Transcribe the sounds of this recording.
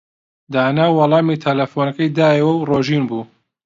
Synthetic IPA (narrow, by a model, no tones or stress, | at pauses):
d̪aːnaːwːɑlˠɑːmiːt̪ʰɐlɐfonɐkɐjd̪aːjɛwɐwroːʒiːnbuː